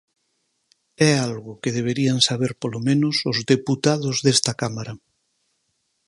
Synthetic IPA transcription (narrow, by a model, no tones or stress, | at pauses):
ɛalɣʊkeðeβ̞eɾiansaβeɾpolomẽnʊsozðeput̪aðʊzðest̪ɐkamaɾa